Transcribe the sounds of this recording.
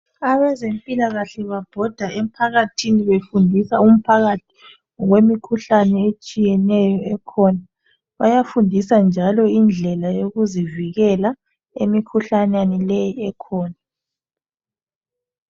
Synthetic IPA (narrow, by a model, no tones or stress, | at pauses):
aβɛzempʼilaɣaɬɛβab̥ʱɔd̥ʱaem̩pʰaɣatʰiniβefundʱisaum̩pʰaɣatʰi̥ | ɣwemikʰuɬanɛet͡ʃʼijɛnɛjɔɛkʰɔna | βajafundʱisand͡ʒʱalɔind͡ɮʱɛlajoɣuziviɣɛla | emikʰuɬananɛlejiɛkʰɔːna